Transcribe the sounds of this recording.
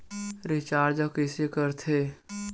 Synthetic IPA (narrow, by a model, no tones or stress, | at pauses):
ɾɪt͡ʃaːɾd͡ʒəkɪsekəɾt̪ʰeː